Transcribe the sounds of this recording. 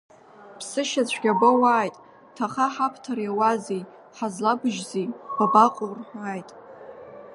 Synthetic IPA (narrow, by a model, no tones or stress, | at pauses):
pʰsɨʃat͡ɕʷʰɡʲabawaːjtʼ | tʰaχaħapʰtʰarjawazej | ħazlabɨʒzijb̥abaqʼʊrħʷaːjtʼ